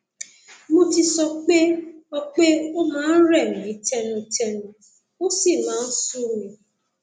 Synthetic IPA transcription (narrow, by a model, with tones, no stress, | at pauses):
mũ˦ti˧sɔ˧k͡pe˦ɔ˦k͡pe˦o˦mãː˦n̩˦ɾɛ˦˨mĩ˨i˦tɛ˦nũ˧tɛ˧nũ˨ | o˦si˦˨mãː˨˦n̩˦su˦mĩ˨